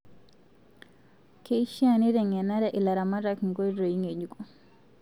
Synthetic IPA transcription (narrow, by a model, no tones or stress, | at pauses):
keʃianiɾɛŋɛnaɾaʔilaɾamaɾakŋɡojɾojiŋed͡ʒukʼɔ